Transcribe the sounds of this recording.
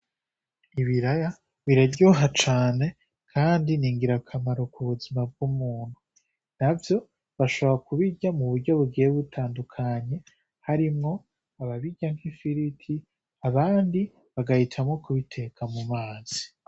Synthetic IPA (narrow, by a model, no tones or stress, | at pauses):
iβiɾaja | βiɾaɟuɦat͡ʃaːne̞ | kʰaːndiniːŋɡiɾakʰamaɾo̞kuβuzimab̚ɡumuːn̥hu | navjo̞ | βaʃo̞βoɾakuβiɟamuβuɾɟo̞βuɡieβutʰaːndukʰaɲe̞ | haɾimŋo̞ | aβaβiɟaŋ̥hifiɾitʰi | aβaːndi | βaɡahitʰamŋo̞kuβitʰe̞kʰamumaːz̥i̥